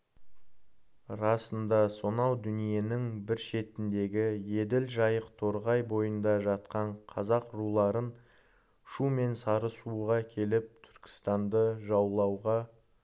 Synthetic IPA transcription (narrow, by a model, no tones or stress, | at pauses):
ɾɑsənd̪ɑso̞nɑwd̪ʏnije̞nɪŋbɪɾʃe̞t̪ɪnd̪e̞ɡʲɪje̞d̪ɪlʒɑjəqt̪ʰo̞ɾʁɑjbo̞jənd̪ɑʒɑt̪̚qɑɴqʰɑzɑqɾulˠɑɾən | ʃume̞nsɑɾəsuʁɑkʲʰe̞lɪp̚t̪ʰʏ̥ɾkʲɪ̥st̪ɑnd̪əʒɑwlˠɑwʁɑ